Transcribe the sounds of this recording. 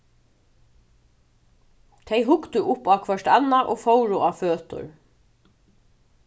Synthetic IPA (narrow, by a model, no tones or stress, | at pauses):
t̪ʰejɦʊkt̪ʏʔʊpaːkʰʋœʂʈa̰naʔoːfowɾʊaføːt̪ʊ̰ɹ